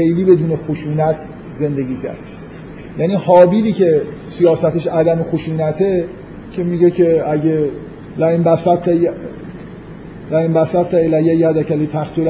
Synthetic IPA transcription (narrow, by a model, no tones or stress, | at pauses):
ejliːbe̞d̪uːnexoʃuːnæt̪ʰ | ze̞nd̪e̞ɡʲiːcʰæ̰ɾd̪ | jæːniːhɒːbiliːce | sijɒːsæt̪eʃæd̪æmexoʃuːnæt̪ʰe | cʰe̞miɟecʰe̞æɟe | læembæsæ | læembæsæt̪ːæelæjæjæd̪æcʰælit̪ʰæxt̪ʰolæ